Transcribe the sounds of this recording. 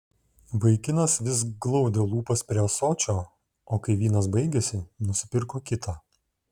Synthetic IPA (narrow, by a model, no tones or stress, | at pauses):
ʋɐɪkʲɪnɐsʋʲɪs̬ɡlˠɒʊd̪ʲelˠuːpɐspʲɾʲiɛsoːt͡ʃʲoː | oːkɐɪʋʲiːnɐs̬bɐɪɡʲesʲɪnʊsʲɪpʲɪɾkoːkʲɪt̪ʰaː